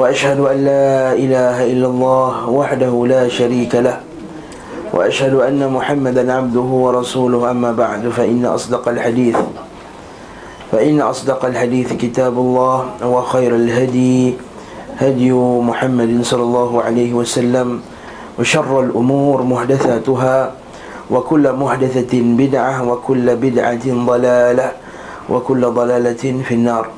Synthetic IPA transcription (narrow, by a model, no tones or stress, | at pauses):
waʔaʃhad̪ʊʔanːaːʔɪlaːɦaʔɪlːalˤːɑːhwaħd̪ahʊlaːʃaɾiːkalah | wʔa̰ʔaʃhad̪ʊʔanːamʊħamːad̪anʕab̚d̪ʊhʊwɑɾˤɑsuːlʊhʔamːaːbaʕd̪faʔɪnːa̰ʔɑ̰sˤd̪ɑqɑlħad̪iːθ | faʔɪnːaʔɑsˤd̪ɑqɑlħad̪iːθkɪt̪aːbʊlˤːɑːhwaxajɾalɦad̪j | had̪jʊmʊħamːad̪sˤɑlːɑlˤːɑːɦʊʕalajhɪwasalːam | waʃɑrˤːalʔʊmuːɾmʊhd̪aθaːt̪ʊɦaː | wakʊlːmʊħd̪aθabɪd̪ʕawakʊlːbɪd̪ʕad̪ˤɑlaːla | wʔa̰kʊlːd̪ˤɑlaːlafinːɑːɾˤ